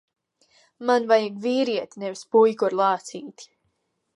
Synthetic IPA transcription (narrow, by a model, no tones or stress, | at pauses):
manvajaɡviːɾiɛt̪inɛvispujkɔɾlˠɑːt̪siːt̪i̥